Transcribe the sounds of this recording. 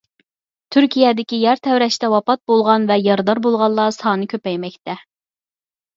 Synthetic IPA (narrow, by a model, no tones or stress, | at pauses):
t̪ʰyɾkʲijɛd̪ɪkʲijæɾt̪ʰɛwɾɛʃt̪ɛwɑpɑt̪̚bolˠʁɑnvɛjɑɾd̪ɑɾbolˠʁɑlˠːɑsɑːnɨkʲʰøpɛjmɛkʲt̪ʰɛ